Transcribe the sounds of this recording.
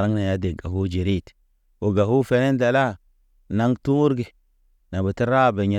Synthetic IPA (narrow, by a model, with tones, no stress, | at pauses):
ɾa˦ŋna˨ja˦de˨ɡa˨ɦu˦d͡ʒe˨ɾi˦˨t | o˨ɡa˨hu˦fe˨ne˦nda˨la˦ | na˦ŋtu˦ɾɡe˨ | na˨bə˨ti˦ɾa˦˨be˨ɲe˨